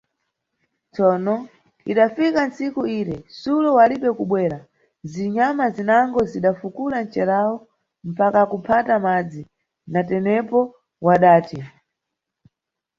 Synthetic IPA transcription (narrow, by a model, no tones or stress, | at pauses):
t͡sɔnɔ | iɗafikansikuiːɾɛsulɔwaliɓɛkuɓwɛːɾa | ziɲamazinaŋɡɔziɗafukuɾant͡ʃɛɾawɔ | m̩pakakupʰatamad͡zi | natɛnɛpɔ | waɗaːti